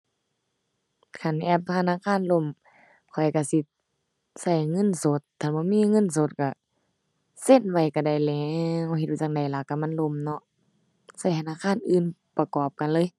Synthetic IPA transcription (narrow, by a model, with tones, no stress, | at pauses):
kʰa˧˩n˧ʔɛː˧˩p̚t̪ʰa˧naː˧˥˨kʰaː˧˥˨nlo˧˩˨m | kʰɔ˨˩jka˧˩si˧˦ | sa˧˩jŋɤ˧˥˨nso˧˦t̪̚ʰːa˧˩nbɔː˧˦˨miː˧˥˨ŋɤ˧˥˨nso˧˦t̪̚ka˧˩ | se˧˨nwa˧˩jka˧˩da˧˩jlɛː˨˦ŋha˧whe˧t̚a˧˩a˧ŋ̚da˨˩jla˧˦kːa˧˩ma˧˥˨nlo˧˩˨mnɔ˧ʔ | sa˧˩jt̪ʰa˧naː˧˨kʰaː˧˥˨nʔɯː˧˨npa˧kɔː˨˩p̚ka˧˨nlɤː˧˨j